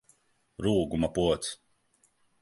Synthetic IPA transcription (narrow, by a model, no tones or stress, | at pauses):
ɾuːɡumapuɔt̪s